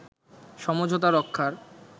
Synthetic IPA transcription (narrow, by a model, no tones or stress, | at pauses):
ʃɔmod͡ʑʱot̪̬aɾɔkʰːaɾ